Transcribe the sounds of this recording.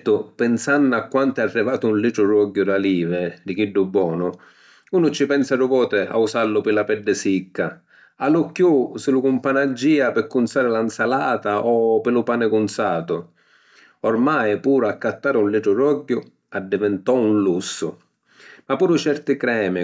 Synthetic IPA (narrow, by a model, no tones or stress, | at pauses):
t̪ːʊpɪnsanːʊakːwant̪ɛarːɪvaːt̪ʊunliːʈ̪ɾʊrɔɟːʊd̪aliːvɪd̪ɪk̟iɖːʊbːwɔːnʊ | uːnʊt͡ʃːɪpɛnsaɾʊvɔːt̪ɪa̰usalːʊpɪlapɛɖːɪsikːa | alʊkːjusɪlʊkʊmpanad͡ʒːiːapɪkːʊnsaːɾɪlansalaːt̪aʔɔpɪlʊpaːnɪkʊnsaːt̪ʊ | ɔrmajpuːɾʊakːat̪ːaːɾɪunliʈɾʊrɔɟːʊ | ad̪ːɪvɪnt̪ɔunlusːʊ̰ | mapːuːɾʊt͡ʃɛrt̪ɪkɾɛːmɪ